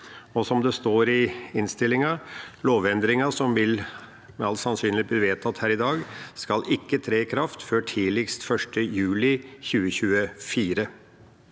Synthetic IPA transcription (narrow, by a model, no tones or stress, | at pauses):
ɔsɔmd̪ɛst̪oːɾɪɪnst̪ɪlːɪŋɑloːʋɛnd̪ɾɪŋɑsɔmʋɪl | mɛɑlt̪sɑnsyːnlɪbliːʋeːt̪ʰɑt̪hæːɾɪd̪ɑːɡskɑlɪkːət̪ʰɾeːkʰɾɑft̪føːʈʰiːlɪkst̪fœʂʈəjʉːlɪçʉːəçʉːəfiːɾə